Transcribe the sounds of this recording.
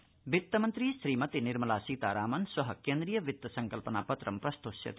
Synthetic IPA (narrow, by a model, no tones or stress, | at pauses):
bit̪ːɐmʌnt̪ɾisɾimʌt̪iniɾmɐlasit̪aɾaːmɐnsʌɦʌkend̪ɾijʌbit̪ːɐsʌŋkɐlpəna̰pʌt̪rɐmprʌst̪oːsjɐ̰t̪i